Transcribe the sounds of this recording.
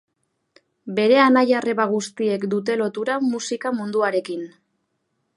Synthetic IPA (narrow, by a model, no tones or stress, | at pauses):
be̞ɾe̞anajare̞βaɣ̞ust̪ie̞kd̪ut̪̬e̞lo̞t̪uɾamusikamund̪uaɾe̞kin